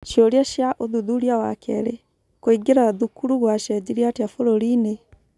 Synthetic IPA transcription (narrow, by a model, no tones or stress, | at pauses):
ʃjoɾjaʃjaʔoðuðuɾjawakɛ̰ɾe | koiɡeɾaðukuɾuɣwaʃɛd͡ʑiɾiateafoɾoɾine